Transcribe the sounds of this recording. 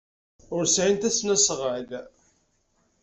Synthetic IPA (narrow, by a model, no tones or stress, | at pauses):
ʊɾsʕint̪æsnæsʁəd